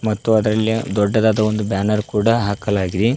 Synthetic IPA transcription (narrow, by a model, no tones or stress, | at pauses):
mɐt̪ːuɐd̪ɐɾɐlːid̪ɔɖːɐd̪aːd̪ɐond̪ubjaːnɐɾkuːɽɐɦaːkɐlaːɡid̪e